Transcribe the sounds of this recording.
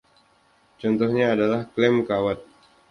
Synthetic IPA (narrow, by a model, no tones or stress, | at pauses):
t͡ʃɔnt̪ɔhɲaːdalahklɛmkawat̪̚